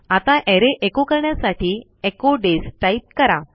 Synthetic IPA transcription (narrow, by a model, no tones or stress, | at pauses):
at̪ãʔeɾeʔekokəɾɳjasaʈʰiː | ekoɖesʈait̪̚kəɾa̰